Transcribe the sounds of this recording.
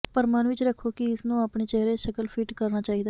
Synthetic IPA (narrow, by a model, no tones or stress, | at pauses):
pəɾmãːnʋɪt͡ʃɾəkʰːoːkɪɪsnũːaːpɳeːt͡ʃɛːɦɾeːʃəkəlpʰiːʈkəɾnaːt͡ʃaːiːd̪aː